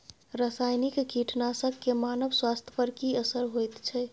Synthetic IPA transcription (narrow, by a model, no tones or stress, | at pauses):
ɾəsajnikkiʈnasəɡkːemanəbswast̪ʰjəpəɾkiəsəɾɦojt̪t͡ʃʰɛ